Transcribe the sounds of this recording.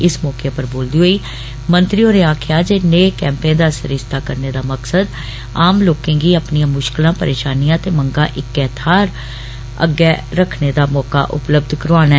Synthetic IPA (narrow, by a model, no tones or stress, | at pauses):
ɪsmɔːkeːpəɾboːld̪iːɦoːiː | mə̃nt̪ɾioːneːaːkʰɪjaːd͡ʒeːneːkɛ̃ːmpẽːd̪aːsəɾɪst̪aːkəɾneːd̪aːməksəd̪ | aːmloːkẽːɡiːəpnijãːmʊʃklãːpəɾeːʃaːnijãːt̪eːmə̃ŋɡaːʔɪkːɛːt̪ʰaːɾ | ə̰ɡɛːɾəkʰned̪aːmɔːka̰ːʔʊ̰pləb̚d̪ʱkəɾoaːnɛ